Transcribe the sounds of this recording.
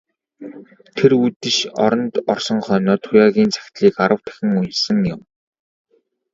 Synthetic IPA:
t̪ʰeɾut̪ɘ̆ʃɔ̰ɾɞ̆nt̪ɔrsɞ̆ŋχœːnɔːt̪ʰʊjaːɣʲiːnt͡sʰḁxʲt̪ɮiːkaɾə̆wt̪ʰæ̥xʲɪ̆ŋunsə̆ŋjʊm

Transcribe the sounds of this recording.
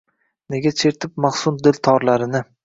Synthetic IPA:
ne̞ɡʲat͡ʃʰeɾt̪ʰɪp̚maχsʊnd̪ɪlt̪ʰɒɾlaɾɪnɪ

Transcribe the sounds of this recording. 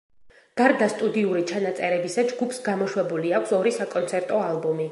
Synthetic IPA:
ɡ̥aɾd̪ast̪ʼud̪iuɾit͡ʃʰanat̪sʼɛɾɛbisad͡ʒɡupʰsɡamɔʃwɛbuliakʷʰsɔɾisakʼɔnt̪sʰɛɾt̪ʼɔalˠbɔmi

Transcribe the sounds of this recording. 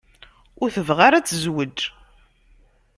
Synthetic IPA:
ʊɾθəvʁaɾat͡sːzwəd͡ʒ

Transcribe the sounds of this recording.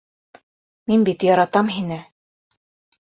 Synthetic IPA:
minbit̪jɑɾɑt̪ɑmɦinɘ

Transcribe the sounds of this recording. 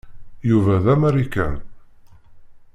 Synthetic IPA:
juvæðæmæɾikːæ̰n

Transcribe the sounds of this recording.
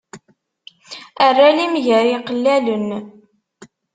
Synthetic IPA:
ərːalimʝæɾiqəlːælən

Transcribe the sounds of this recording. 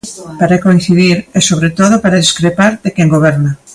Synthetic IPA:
paɾakoin̟θiðiɾesoβɾet̪oðopaɾaðiskɾepaɾðekɛŋɡoβɛɾna

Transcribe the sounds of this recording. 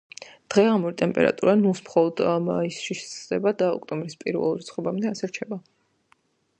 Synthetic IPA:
d̪̥ʁɛʁamuɾit̪ʼɛmpʼɛ̰ɾa̰t̪ʼuɾanusmχɔlˠɔd̪maisʃiʃsʼd̪ɛbad̪aɔ̰kʼt̪ʼɔmbɾispʼḭɾvɛ̰lˠuɾit̪sʰχɔbamd̪ɛasɛɾt͡ʃʰɛba

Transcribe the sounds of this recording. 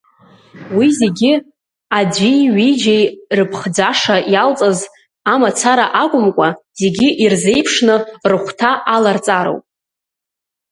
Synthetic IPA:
wize̞ɡʲɪ | ad͡zʷijɥijd͡ʒejrɨpʰχd͡zaʂajalt͡sʼaz | amat͡sʰaɾaʔakʷʼʊmkʷʼaz̥e̞ɡʲɪʔirze̞jpʰʂnɨrɨχʷtʰaʔalart͡sʼaɾo̰wpʼ

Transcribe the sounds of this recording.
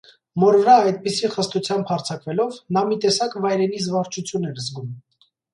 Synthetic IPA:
mɔɾvəɾɑɑjt̪̚pisiχəst̪ut͡sʰjɑmbhɑɾt͡sʰɑkvɛlɔvnɑmit̪ɛsɑkvɑjɾɛnit͡svɑɾt͡ʃʰut͡sʰjunːɛɾzɡum

